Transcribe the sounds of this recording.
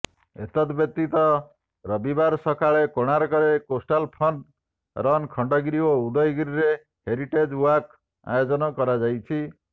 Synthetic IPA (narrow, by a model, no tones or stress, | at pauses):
ḛt̪ɔt̪bjʌk̚t̪it̪ɔ | ɾʌbibaɾsɔkʰaɭekoɽ̃aɾkɔɾekosʈalpʰɔnɖ | ɾʌnkʰɔɳɖɔɡɾioud̪ʌjɡɾiɾe | heɾiʈed͡ʒwak | a̰jod͡ʒɔnɔkɔɾad͡ʒajt͡ʃʰi